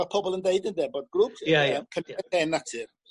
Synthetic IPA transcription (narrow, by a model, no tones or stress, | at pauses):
apʰɔbɔlˠəndeɨdəndɛbɔd̚ɡrʊpəmkʰənɛdɛnatʰɨr